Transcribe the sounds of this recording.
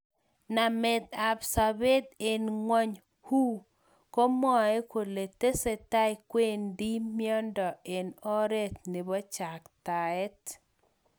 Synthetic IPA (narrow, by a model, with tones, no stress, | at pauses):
na˨mɛ˨d̪a˨bsa˨be˦d̪e˨nŋwɔ˦ɲ | hu˦ | ko˦mɔ˦˨e˦ko˨le˨t̪e˦se˦ta˦jkwe˦ndi˦mjɔ˦ndɔ˨e˨nɔ˦ɾe˦t̪̚ne˨bɔ˦t͡ʃa˨kta˨ɛ˦t